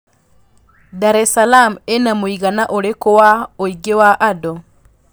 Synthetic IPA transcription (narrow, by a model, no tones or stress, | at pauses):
daɾɛsalamenamoiɣanaʔoɾekowaoiɡewaʔado